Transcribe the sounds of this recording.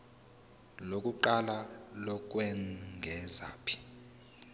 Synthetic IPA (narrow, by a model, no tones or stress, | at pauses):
lokʼuǃalalɔk̬ʼwɛŋɡʱɛza̰ːpʰi̥